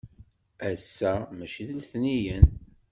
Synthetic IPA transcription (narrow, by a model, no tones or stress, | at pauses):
æsːæmæʃiðlθnijən